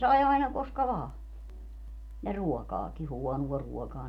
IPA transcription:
sɑi ɑinɑ koskɑ ʋɑː jɑ ruɔkɑːki huɔnuɔ ruɔkɑː

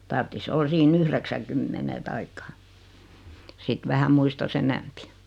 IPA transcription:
tɑrtːis ol siːn yhreksæŋkymːene tɑikːɑ sit ʋæhæ muistɑs enæmpi

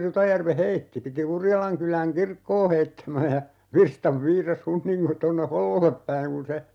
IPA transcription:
rutɑjærʋe heitːi piti urjɑlɑŋkylæŋ kirkːoː heitːæmæ jɑ ʋirstɑʋ ʋiːrɑs hunːiŋko tonːe holːolːep pæiŋ kun̞ se

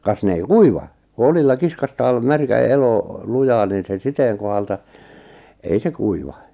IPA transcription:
kɑs ne ei kuiʋɑ ku olilːɑ kiskɑstɑːl mærkæ elo lujɑːn niːn se siteːŋ kohɑltɑ ei se kuiʋɑ

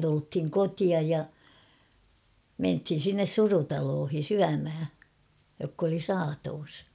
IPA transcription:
tulthiŋ kotiɑj jɑ menthin̞ sinːes surutɑloːhi syæmhæ jokː oli sɑːtoːs

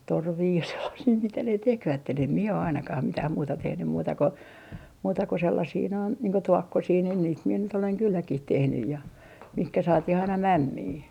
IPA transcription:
torʋiː jɑ selːɑsiː mitæ ne tekʋætːen em mie o ɑinɑkɑh mitæh muːtɑ tehnym muːtɑ ko muːtɑ ko selːɑsiː noin niːŋ ko tuokːosiː nin niːt mie nyt oleŋ kylːækih tehnyj jɑ mihkæ sɑːtih ɑinɑ mæmːiː

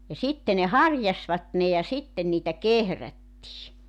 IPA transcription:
jɑ sitːe ne hɑrjɑsʋɑt ne jɑ sitːen niːtæ kehrætːiː

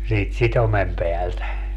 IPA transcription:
siːt sitomem peæltæ

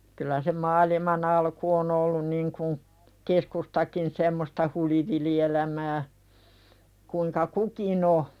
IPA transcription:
kylæ se mɑːlimɑn ɑlku on olːun niŋkun keskustɑkin semːostɑ huliʋilielæmæː kuiŋkɑ kukin o

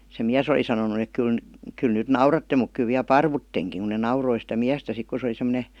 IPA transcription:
se miæs oli sɑnonu ek kyl n kyl nyt nɑurɑtːe muk ky ʋiæ pɑrʋutːeŋkiŋ ku ne nɑuroi sitæ miæstæ sik ku se oli semə̆ne

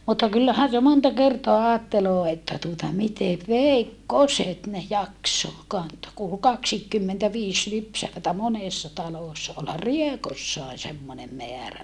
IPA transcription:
mutːɑ kylːæhæn se montɑ kertoɑ ɑːtːeloː etːæ tuotɑ miteʋ ʋeikːoset ne jɑkso kɑntoː ku ol kɑksiːkːymːentæʋiːs lypsæʋætæ moneˑsːɑ tɑloˑsːɑ olhɑr riekosːɑe semːonem meæræ

